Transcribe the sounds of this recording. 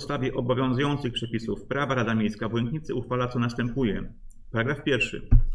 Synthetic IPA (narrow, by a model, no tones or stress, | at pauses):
st̪avʲjɛʔɔbɔvʲjɔ̃ñzujɔnt̪sɘxpʂɛpʲisufpɾavaɾad̪amʲjejskavuwɛnŋk̪ɲit̪sɘuxfalat̪sɔnast̪ɛmpujɛpaɾaɡɾafpʲjɛɾfʂɘ̰